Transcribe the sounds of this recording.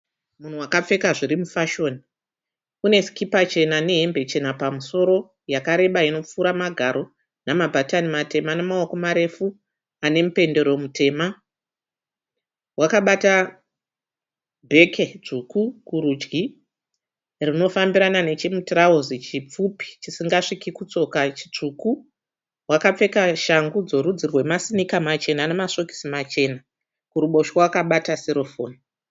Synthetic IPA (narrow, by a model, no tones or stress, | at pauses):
mun̤uwakap͡fe̞kaʐiɾimufaʃo̞ːni | une̞si̥kipat͡ʃe̞nane̞ɦe̞mbe̞t͡ʃe̞napamuso̞ɾo̞ | jakaɾe̞ɓaino̞p͡fuːɾamaɡʱaɾo̞ | namabʱatanimate̞manamaoko̞maɾe̞fu | ane̞mupe̞nde̞ɾo̞mutʰe̞ːma | wakaɓata | bʱe̞kʰet͡ʂukukuɾud͡ʒɡi | rino̞fambiɾanane̞t͡ʃemutirauzit͡ʃip͡fupi̥t͡ʃisiŋɡaʂikikut͡so̞kat͡ʃi̥t͡ʂuku | wakap͡fe̞kaʃaŋɡud͡zo̞ɾud͡zirwe̞masinikamat͡ʃe̞nane̞maso̞ki̥simat͡ʃe̞na | kuɾuɓo̞ʃowakaɓataseɾo̞fo̰ːni